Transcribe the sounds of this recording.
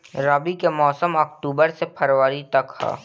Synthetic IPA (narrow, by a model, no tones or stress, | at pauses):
ɾaːbikemɔːsəmɐkʈuːbəɾsepʰɐɾwaɾit̪ɐkha̰ː